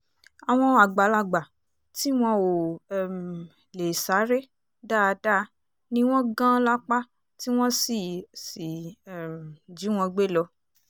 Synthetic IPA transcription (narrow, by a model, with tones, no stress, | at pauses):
a˨w̃ɔ̃˧a˨ɡ͡ba˨˦la˧˨ɡ͡ba˨ | ti˦w̃ɔ̃˧wo˨m˨ | le˨sa˨˦ɾe˦ | da˦˨˧da˦˧ | nĩ˧˦w̃ɔ̃˦ɡã˦la˦k͡pa˦ | ti˦w̃ɔ̃˦si˨si˨ | d͡ʒi˨˦w̃ɔ̃˧ɡ͡be˦˨lɔ˧